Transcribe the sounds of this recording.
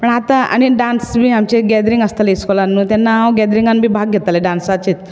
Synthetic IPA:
pəɳat̪ãa̰ñiɖansbʱiːamt͡ɕeɡɛd̪ɾĩŋɡəst̪aleskɔlanːũːt̪anːaãɡɛd̪ɾiŋɡanbʱiːbʱaɡ̚ɡʱet̪aleɖãnsat͡ɕit̪

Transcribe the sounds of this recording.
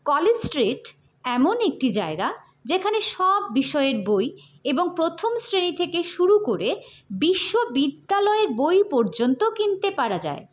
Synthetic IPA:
kɔled͡ʑsʈɾeʈ | ɛmonek̚ʈid͡ʑaeɡa | d͡ʑekʰaneʃɔbːiʃɔeeɾboj | eboŋpɾot̪ʰomsɾenit̪ʰekeʃuɾukoɾebiʃːobid̪ːalɔeɾbojpɔɾd͡ʑont̪okint̪epaɾad͡ʑa̰e

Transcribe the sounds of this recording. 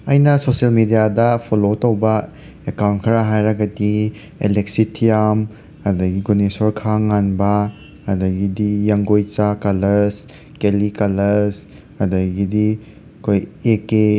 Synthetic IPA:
ɐjnɐsoselmidijadɐpʰolotowbɐ | ekawntkʰəɾaɦajɾɐɡɐdi | eleksitʰijam | hɐdɐɡiɡonesoɾkʰaŋanbɐ | hɐdɐɡidijaŋɡojt͡ʃakalɐɾs | kelikalɐɾs | hadɐɡidi | kʰojeke

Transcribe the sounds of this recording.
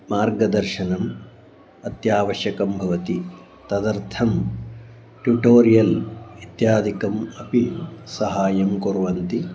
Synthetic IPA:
maːɾɡɐd̪ɐɾʃɐnɐm | ɐt̪jaːʋɐʃjɐkɐmbʱɐʋɐt̪i | t̪ɐd̪ɐɾt̪ʰɐm | ʈjuʈoːɾijɐlʋit̪jaːd̪ʱikɐmɐpisɐɦaːjɐmkoɾuʋɐnt̪i

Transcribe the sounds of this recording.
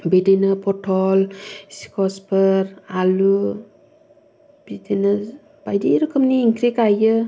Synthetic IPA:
bedenəpʰɔtʰɔlsi̥kʰɔspʰəɾalu | b̥idena | b̥ajdiɾɯkʰəmniːŋkʰɾikajɯ

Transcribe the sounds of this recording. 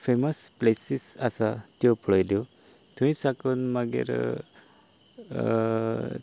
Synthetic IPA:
feməsplesisasat̪jopʰɭəjd̪jo | t̪ũĩsakənmaɡḛɾ

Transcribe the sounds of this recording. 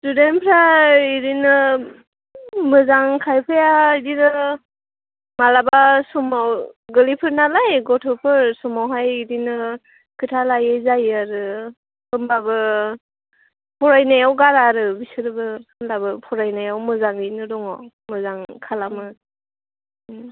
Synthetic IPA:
tudenpʰɾaiɾinɯ | mɯzaŋkʰajpʰɯjaidinɯ | malabasɔmawɡɯlipʰɯɾnalajɡɔtʰɔpʰɯɾsɔmawɦajiɾinɯ | kʰɯtʰalajɯjzajaɾɯ | bɯmbabɯ | pʰɔɾajnajawɡaɾaɾɯbisɯɾɯbɯnlabɯpʰɔɾajnajawmɯzaŋinɯdɔŋɔ | mɯzaŋkʰalamɯ

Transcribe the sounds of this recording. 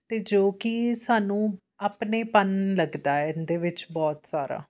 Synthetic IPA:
t̪eːd͡ʒoːkisaːnũː | aːpneːpənləɡd̪aːɛːɪnd̪eːʋɪt͡ʃbɔːt̪saːɾa̰ː

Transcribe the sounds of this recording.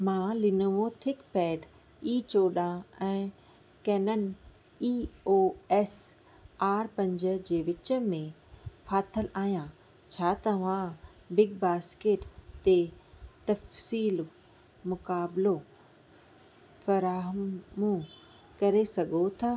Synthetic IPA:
mãːlɪnəʋõt̪ʰɪkpɛːɖ | iːt͡ɕoːɗãɛ̃ː | kɛːnənɪ̆ | iːoːɛːs | aːɾpɐ̃ɲd͡ʑə̆d͡ʑeːʋɪt͡ɕə̆mẽ | faːt̪ʰəlaːɦijã | t͡ɕʰaːt̪ɐʋã | bɪɡ̚baːskeːʈt̪et̪ɐfsiːl | mʊkaːblo | fɐɾaːɦəmũ | kɐɾesɐɡʱot̪ʰaː

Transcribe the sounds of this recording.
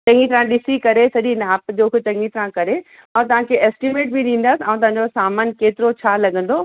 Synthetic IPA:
t͡ɕɐ̃ŋɡit̪ɾãɗɪsikɐɾesɐɗinaːpd͡ʑoːkɪt͡ɕɐ̃ŋɡit̪ɾãkɐɾe | ɐ̃ːũt̪ɐʋ̤ãkʰeɛːsʈimeːʈ̚bʱiɗĩːn̆d̪əsãːũt̪ɐ̃ɦãɲ̆d͡ʑosaːmaːnkeːt̪ɪɾot͡ɕʰaːlɐɡə̃n̆d̪oː

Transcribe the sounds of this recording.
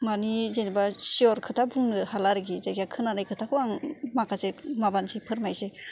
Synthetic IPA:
manizenibasiɔɾkʰɯtʰabuŋnɯhalaɾɯɡizaɡjakʰɯnaɾajkʰɯtʰakʰɯaŋmakʰasemabansipʰɯɾmajse

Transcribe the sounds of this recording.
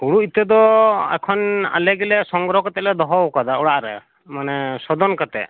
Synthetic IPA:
uɽuit̪ɛd̪ɔɛ̰kʰɔna̰lɛɡɛlɛsɔŋɡɾɔkat̪ɛʔlɛd̪ɔɦɔwkad̪aɔɽaʔɾɛ̰ | manɛsɔd̪ɔnkat̪ɛʔ

